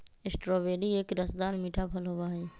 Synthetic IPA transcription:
ɪsʈɾobeːɖieːkɾəsd̪aːnmiːʈʰapʰəlɦoʋaɦeː

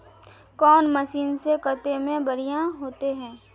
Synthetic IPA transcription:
kɔːnmɐsiːnsekət̪emẽbɐɾijãɦoːt̪eɦɛ̃ː

